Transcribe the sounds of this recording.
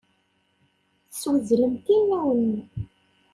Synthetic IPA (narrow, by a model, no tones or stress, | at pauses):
θəswəzɾəmt̪inːæwənː